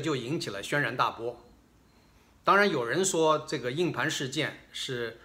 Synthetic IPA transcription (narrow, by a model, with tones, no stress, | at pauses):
t͡ɕjo˥˩ʊi˧˥ŋt͡ɕʰi˨˩lə̰˦ɕɥɛ˥nɻa˧˥nt̪a̰˥˩pwɔ˥ | t̪ɑ˥ŋɻa˧˥njo˨˩ʊɻə˧˥nʂwɔ˥ʈ͡ʂɤ˥˩ɡə˩i˥˩ŋpʰa˧˥nʂɻ̩˥˧t͡ɕjɛ˥˧nʂɻ̩˥˩